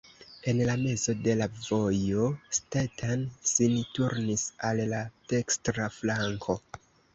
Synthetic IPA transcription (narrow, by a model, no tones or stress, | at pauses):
e̞nlame̞zo̞de̞lavo̞jo̞stetansintuɾnisalːad̥e̞kstɾaflaŋkʰo̞